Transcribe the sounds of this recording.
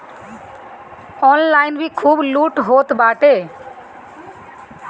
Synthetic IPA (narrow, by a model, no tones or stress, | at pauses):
ɔːnlaːɪnbʱikʰuːbluːʈɦoːt̪baːʈeː